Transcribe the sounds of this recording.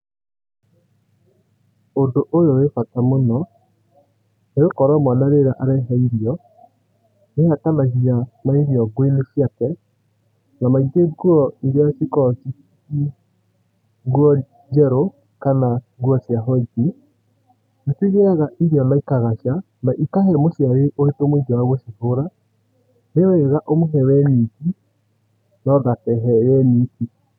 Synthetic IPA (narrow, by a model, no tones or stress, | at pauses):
ondoʔojoefatamonɔ | neɾokɔɾɔmwanaɾeɾaʔaɾɛɦaiɾiɔ | nehatanaʃianaiɾjɔɡwenefjatɛ | namaiteɡwɔiɾjasikɔsi | i | ɣwɔ | d͡ʒɛɾo | kana | ɣwɔsjaɦɔiki | natwiɣeaɣaʔiɾiɔnaikaɣaʃa | naʔikaɦɛmosjaɾeʔoetomwid͡ʒɔwaɣwɔʃiɣoɾa | newɛɣaʔomoɦɛwɛniki | nɔðakɛɦɛjɛniki